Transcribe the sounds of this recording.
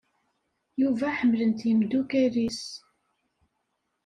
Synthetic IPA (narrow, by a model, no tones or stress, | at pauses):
juvæħəmːlənt̪jəmd̪ukæɾis